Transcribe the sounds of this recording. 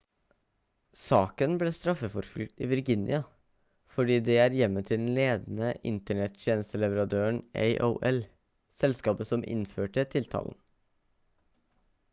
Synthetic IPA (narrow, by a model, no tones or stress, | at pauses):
sɑːkənbleːst̪ɾɑfəfɔɾfʏ̰l̚t̪ḭːʋɪɾɡɪnɪ̰ɑ | fɔɖiːd̪ɛæːɾjɛmːət̪ʰɪld̪n̩leːd̪n̩əʔɪ̰nt̪əɳɛt̪t̪ʰjeːnst̪əlɛʋəɾɑd̪øːəɳʔḛɪʔo̰ːʔɛl | sɛlskɑːpəsɔmʔɪ̰nføːʈət̪ʰɪlt̪ʰɑ̰ːln̩